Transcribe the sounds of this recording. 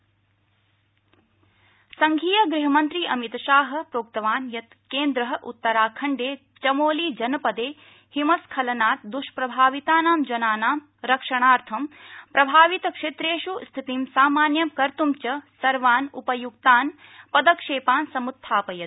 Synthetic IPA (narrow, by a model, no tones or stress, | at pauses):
sɐŋɡʱiːjɐɡɾiɦɐmɐnt̪ɾiːʔɐmit̪ɐʃaːɦɐ̆pɾoːk̚t̪ɐʋaːnjɐt̪ | keːnd̪ɾɐɦɐʔut̪ːɐɾaːkʰɐɳɖeː | t͡ʃɐmoːliːd͡ʒɐnɐpɐd̪eː | himɐskʰɐlɐnaːt̪̚d̪uʃpɾɐbʱaːʋit̪aːnaːmd͡ʒɐnaːnaːm | ɾɐkʂɐɳ̃aːɾt̪ʰɐmpɾɐbʱaːʋit̪ɐkʂeːt̪ɾeːʃust̪ʰit̪imsaːmaːnjɐmkɐɾt̪umt͡ʃɐsɐɾʋaːnupɐjuɡt̪aːn | pɐd̪ɐkʂeːpaːnsɐmut̪ʰːaːpɐjɐt̪